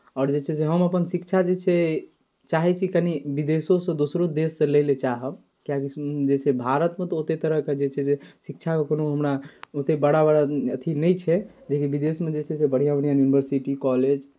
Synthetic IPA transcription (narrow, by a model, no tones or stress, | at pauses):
ɔːɾd͡ʒet͡ʃʰɛs̬eɦəməpənsikt͡ʃʰad͡ʒet͡ʃʰɛ | t͡ʃaɦɛt͡ʃʰikənibid̪esosə̃d̪osɾod̪esːẽlejlet͡ʃaɦəb | kijakid͡ʒet͡ʃʰɛbʱaɾət̪mẽt̪ɔot̪et̪əɾəɦked͡ʒet͡ʃʰɛsesikt͡ʃʰakekonoɦəmɾaot̪ebəɽabəɽaət̪ʰinɛjt͡ʃʰɛd͡ʒekibid̪esmed͡ʒet͡ʃʰɛsebəɽ̤ijabəɽijajunibəɾsiʈikɔled͡ʒ